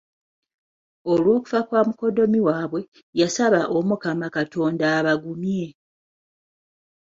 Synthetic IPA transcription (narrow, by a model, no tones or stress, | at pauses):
o̞lwo̞ːku̥fakwaːmuko̞do̞miwaːβwe̞ | jasaβaʔomukamakato̞ːndaːβaɡumje̞